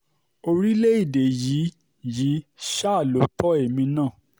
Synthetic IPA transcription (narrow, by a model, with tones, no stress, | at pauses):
o˧ɾi˦le˦i˦˨de˨ji˨˦ | ji˨˦ʃa˦˨lo˨˦tɔ˦e˦˨mĩ˧nãː˦˨